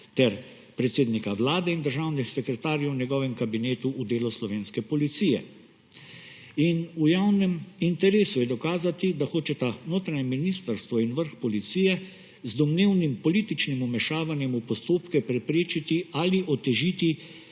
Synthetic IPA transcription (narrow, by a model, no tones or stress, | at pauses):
t̪ɛɾ | pɾɛt̪seːd̪nikaʋlaːd̪ɛind̪əɾʒawnisɛkɾɛt̪aːɾjɛwnjɛɡɔːʋɛmkabineːt̪uʔːd̪eːlɔslɔʋeːnskɛpɔlit̪sijɛ̰ | inujawnɛmint̪ɛɾeːsujɛd̪ɔkaːzat̪id̪axoːt͡ʃɛt̪anoːt̪ɾaɲɛminist̪əɾst̪ʋɔinʋəɾxpɔlit̪siːjɛ | zd̪ɔmneːwnimpɔliːt̪it͡ʃnimumɛʃaːʋanjɛmupɔst̪oːpkɛpɾɛpɾeːt͡ʃit̪ialiʔɔt̪ɛʒit̪i